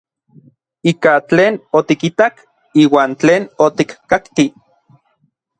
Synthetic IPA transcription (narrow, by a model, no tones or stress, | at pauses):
ikat͡ɬeːnot̪ikit̪ak | iːwaːnt͡ɬeːnot̪ikːakt̪i